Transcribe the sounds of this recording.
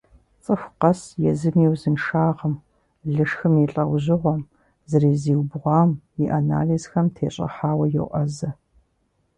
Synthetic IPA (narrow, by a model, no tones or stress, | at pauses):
t͡sʼɨfqɐsjɛzɨmiːwzɨnʂaːʁəm | ɮɨʂxɨmiɬʼɐwʑɪʁʷɔm | zɐriːziːwbʁʷɑːm | iʔaːna̰ːliːzxɐmtʰeːɕʼɐ̰ħaːwɐjɛ̰wʔɐzɐ